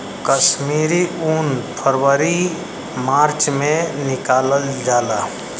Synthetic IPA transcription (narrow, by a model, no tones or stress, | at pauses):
kəʃmiːɾiuːnpʰəɾwəɾi | maːɾt͡ʃmẽnɪkaːləld͡ʒaːlaː